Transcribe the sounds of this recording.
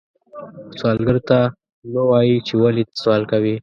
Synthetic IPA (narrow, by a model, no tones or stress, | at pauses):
swɑlɡəɾt̪a | nawɑjit͡ʃewali̥swɑlkawi